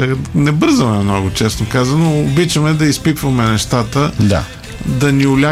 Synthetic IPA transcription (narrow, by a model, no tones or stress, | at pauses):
nɛbɤɾzəmɛmnɔɡʊt͡ʃɛsnokazɐnoːbit͡ʃəmɛd̪ɐispit̪vɐmɛnɛʃt̪at̪əd̪a̰ | d̪ɐniʊlʲa